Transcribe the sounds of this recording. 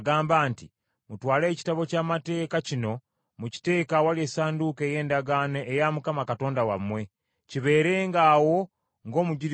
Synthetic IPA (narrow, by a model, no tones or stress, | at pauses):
ɡaːmbaːnti | mutwaːle̞ːci̥taβo̞caːmate̞ːkacino̞ | muci̥te̞ːkawalieːsaːnduke̞ːje̞ːndaɡaneʔejamukamakato̞ːndawamwe̞ | ciβe̞ːɾe̞ːŋɡaːwo̞ | ŋɡo̞ːmuɟiɾi